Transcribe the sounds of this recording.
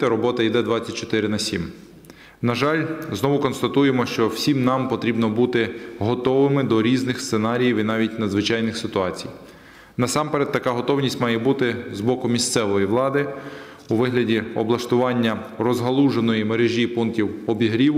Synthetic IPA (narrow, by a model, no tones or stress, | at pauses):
t̪ɛɾɔbɔt̪ɐjd̪ɛd̪ʋɑt͡sʲt͡sʲːɐt̚ʲt͡ʃɔ̥t̪ɪɾɪnɐsʲḭm | nɐʒɑlʲznɔʋʊkɔnst̪ɐt̪ujemɔʃt͡ʃɔwsʲimnɑmpɔt̪ɾʲibnɔbut̪ɪɦɔt̪ɔʋɪmɪd̪ɔɾʲiznɪxst̪senɑɾʲijiwinɑʋʲitʲnɐd̪zʋɪt͡ʃɑjnɪxsɪt̪ʊɑt͡sʲij | nɐsɑmpeɾɛt̪ːɐkɑɦɔt̪ɔwnʲisʲtʲmɑjɛbut̪ɪzbɔkʊmʲist̪sɛʋɔjiʋlˠɑd̪ɪ | uʋɪɦlʲɐdʲiɔ̰blˠɐʃt̪ʊʋɑnʲːɐrɔzɦɐlˠuʒenɔjimeɾeʒʲipunk̚tʲiwɔbʲiɦɾʲiw